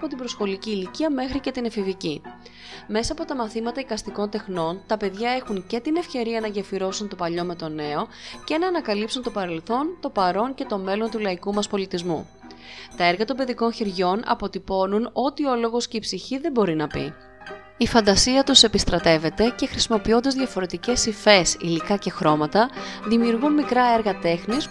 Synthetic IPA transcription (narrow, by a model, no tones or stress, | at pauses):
ɐpo̞t̪ibɾo̞sxo̞liciːliciɐme̞xɾice̞t̪inɐfivici | me̞sɐːpo̞t̪ɐmɐθimɐt̪ɐikɐst̪iko̞nt̪e̞xno̞nt̪ɐpe̞ðʝɐe̞xunce̞t̪inefce̞ɾiɐnɐʝɐfiɾo̞sunt̪o̞pɐʎo̞me̞t̪o̞ne̞o̞ce̞nɐːnɐkɐlipsunt̪o̞pɐɾe̞lθo̞nt̪o̞pɐɾo̞nce̞t̪o̞me̞lo̞nt̪ulɐikumɐspo̞lit̪izmṵ | t̪ɐe̞ɾɣɐt̪ombe̞ðiko̞nçeɾʝo̞nɐ̰po̞t̪ipo̞nuno̞t̪io̞lo̞ɣo̞sceipsiçiðe̞bo̞ɾinɐpḭ | ifɐnd̪ɐsiɐt̪use̞pist̪ɾɐt̪e̞ve̞t̪e̞ce̞xɾisimo̞pio̞nd̪ɐzðʝɐfo̞ɾe̞t̪ice̞sife̞sḭlikɐce̞xɾo̞mɐt̪ɐðimiuɾɣunmikɾɐe̞ɾɣɐt̪e̞xnis